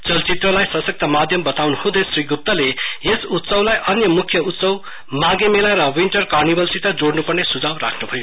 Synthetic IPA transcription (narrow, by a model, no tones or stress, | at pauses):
t͡sʌlt͡sit̪rʌlajsʌsʌk̚t̪ʌmad̪ʱjʌmbʌt̪awnuhũd̪ʌsriɡup̚t̪ʌleesut̪sʌwlajʔʌnjʌmukʰjʌut̪sʌw | maɡemelaɾʌwinʈʌrkarnibʌlsit̪ʌd͡zoɽnupʌrnesud͡zawra̰kʰnubʱʌjo